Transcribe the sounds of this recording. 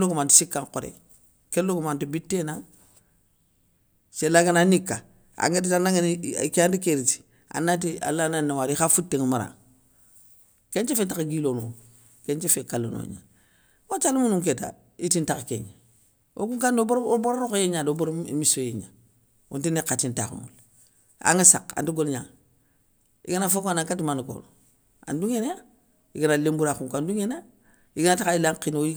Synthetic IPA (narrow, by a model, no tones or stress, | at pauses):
lokumanti̥sikːaŋkoɾḛ | kelːokumantibitːenaŋ | selaɡananikːa̰ | a̰ŋɡetitanaŋenikantikeɾiti̥ | a̰nːat̬ia̰lːananːawaɾixafutːeŋmaɾa̰ŋ | keɲt͡ʃefet̬akaɡiːlono | keɲt͡ʃefekalːo̰no̰ɲa̰ | wat͡ʃalimunuŋk̬eta̰ | itintakkḛɲa | o̰kuŋkandobɾboɾoɾokjeɲadoboɾmisojeɲa̰ | o̰ntinekatintakṵmṵl | a̰ŋisa̰ka̰nduɡolɲaŋ | ḭɡanafokonaŋkatimanko̰ːɾo | a̰nduŋena | iɡanalembuɾaxuŋkanduŋena | iɡaatakailaŋkinoi